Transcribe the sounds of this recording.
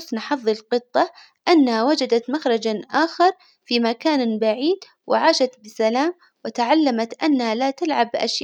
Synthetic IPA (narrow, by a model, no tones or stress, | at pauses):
snħɑðˤːɨlqɨt̪ˤːɑ | ʔanːahawad͡ʒad̪at̪maxɾˤɑd͡ʒaʔaːxɑɾˤ | fimakaːnbaʕiːd̪ | wɪ̰ʕaːʃat̪bɪsalaːm | wɪt̪aʕalːamat̪ʔanːahalat̪alʕabʔa̰ʃ